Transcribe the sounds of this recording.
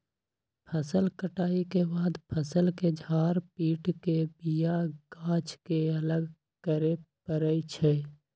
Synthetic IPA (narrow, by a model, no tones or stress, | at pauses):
pʰəsəlkəʈaːikebaːd̪pʰəsəlked͡ʒʱaːɾpiːʈkebijaɡ̥aːt͡ʃkeələɡ | kəɾepəɾəit͡ʃʰɛ